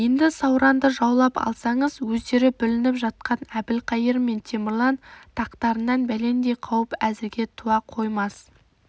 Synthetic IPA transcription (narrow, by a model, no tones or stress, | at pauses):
je̞nd̪ɪsɑwɾɑnd̪əʒɑwlˠɑpɑ̰lˠsɑɴəzwɵzd̪e̞ɾɪbʏlɪnɪpʒɑt̪̚qɑnæbɪlqʰɑjəɾme̞nt̪ʲʰemɪrlˠɑnt̪ʰɑqt̪ɑɾənːɑnbæle̞nd̪e̞jqʰɑwəpæzɪɾɡʲe̞t̪ʰuwɑqʰo̞jmɑs